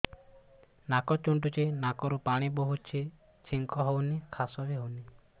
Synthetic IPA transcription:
nakɔt͡ʃuɳʈ̬ut͡ʃʰinakɔɾupaɽ̃ibɔɦut͡ʃʰi | t͡ʃʰiŋkɔɦownikʰasɔbeɦowni

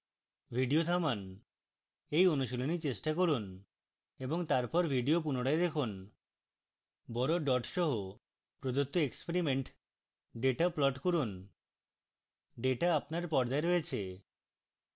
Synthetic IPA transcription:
bʱiɖiot̪ʰaman | ejonuʃolonit͡ɕesʈakoɾun | eboŋt̪aɾpɔɾbʱiɖiop̬unoɽaed̪ekʰon | bɔɾoɖɔʈʃɔɦo | pɾod̪ot̪ːoekspeɾimeɳʈ | ɖeʈaplɔʈkoɾun | ɖeʈaːpnaɾpɔɾd͡ʑaeɾɔet͡ɕʰe

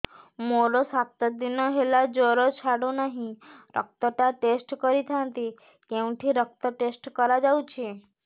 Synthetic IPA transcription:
moɾosak̚t̪əd̪inoɦelad͡ʒoɾot͡ʃʰaɽonəɦĩɾʔə̰k̚t̪əʈaʈesʈkəɾit̪ʰant̪i | keʋ̃ʈʰiɾək̚t̪əʈesʈkəɾad͡ʒaũt͡ʃʰe

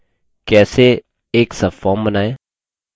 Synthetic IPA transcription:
kɛːse | eːksəfɔːmbənaːeː

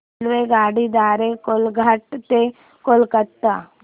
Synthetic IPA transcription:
lʋeɡaːɽid̪aːɾekolɡʱəʈt̪e | kolkət̪a

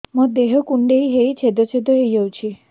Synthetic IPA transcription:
mũd̪eɦɔkuɳɖejɦejt͡ʃʰed̪ɔt͡ʃʰed̪oɦejd͡ʒawt͡ʃʰi

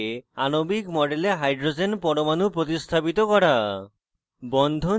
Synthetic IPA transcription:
anobikmɔɖeleɦajɖɾod͡ʑenpɔɾomanupɾot̪ist̪ʰapit̪okɔɾa | bɔnd̪ʱo

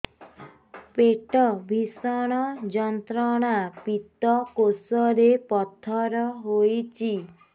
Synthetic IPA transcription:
peʈɔbʱisɔɽ̃ɔd͡ʒɔnt̪ɾɔɽ̃apit̪ɔkosɔɾepɔt̪ʰːɔɾɔɦojt͡ʃʰi

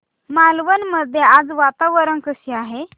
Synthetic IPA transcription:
malʋənməd̪ʱːjead͡zʋat̪aʋəɾənkəsiaɦe

